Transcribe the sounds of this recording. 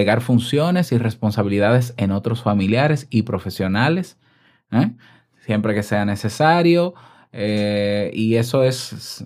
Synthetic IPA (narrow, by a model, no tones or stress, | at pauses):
eɣaɾfunsjo̞ne̞sire̞spo̞nsaβiliðað̞e̞seno̞t̪ɾo̞sfamiljaɾe̞sipɾo̞fe̞sjo̞nale̞s | e | sje̞mpɾe̞ke̞se̞ane̞se̞saɾjo | eie̞so̞e̞s